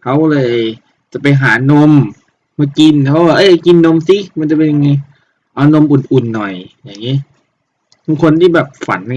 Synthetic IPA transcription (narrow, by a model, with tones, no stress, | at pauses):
kʰa˦˥˩wkɔ˧˥˧lɤː˧j | t͡ɕa˨˩pa˧jɦaː˩˦no˧˥m | maː˧˩ki˧npʰwaː˧ʔɤ˧˥˨jki˧nːo˧˥msi˧˥ma˧˥nt͡ɕa˨˧˩pe˧nja˧ŋa˧˩ | ʔa˧wno˧˨mʔu˨˩nʔu˨˩nːɔ˨˩jjaː˨˩ŋːi˦˥˨ | mu˧ŋkʰo˧nt̪ʰiː˥˩bɛː˨˩p̚fa̰˨˦nːa˧